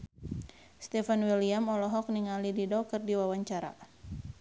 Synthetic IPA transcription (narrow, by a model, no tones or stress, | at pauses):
st̪ɛfanwiliamɔlɔɦɔk̚niŋalididɔkɨrdiwawaɲt͡ʃaɾa̰